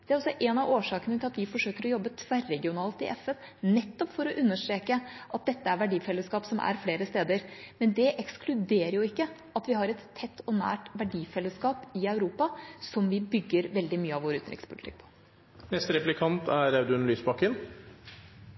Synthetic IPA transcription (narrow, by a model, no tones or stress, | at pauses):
d̪̥ɛæɾɔsɔʔɛnɑʋoːʂɑːkənət̪ʰɪlɑt̪ʋɪfɔʂøːkəɾɔjɔbːət̪ʰʋæɾːɛɡɪʊnɑːlt̪ɪ̰ʔɛfɛn | nɛt̪ːɔpfɔɾɔʔʉnːəʂʈɾeːkəʔɑt̪̚d̪ɛt̪ːəæɾʋæɖiːfɛlːəskɑːpsɔmʔæ̰ɾfleːɾəst̪eːd̪əɾmɛnd̪ɛʔɛksklʉd̪eːɾəjʊɪkːəʔɑt̪ʋɪɦɑɾɛt̪ʰːɛt̪ʰːɔnæ̰ːʈʋæɖiːfɛlːəskɑːpɪœʉɾuːpɑsɔmʋɪbʏɡːəɾʋɛld̪ɪmyːəɑʋoːɾʉːt̪nɾɪ̰kspʰʊlɪt̪ʰɪ̰k̚ːpʰɔ̥ | nɛst̪ɾɛplɪkʰɑnt̪ʰæɾæʉd̪ʉnlyːsbɑkːən